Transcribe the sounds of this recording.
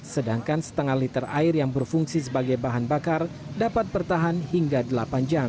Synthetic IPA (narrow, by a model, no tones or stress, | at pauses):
sədaŋkansə̥t̪əŋahlit̪əra̰ɪrjaŋbərfuŋsis̬əbaɡajbaɦanbakar | dapat̪̚bərt̪aɦanhiŋɡadəlapand͡ʒam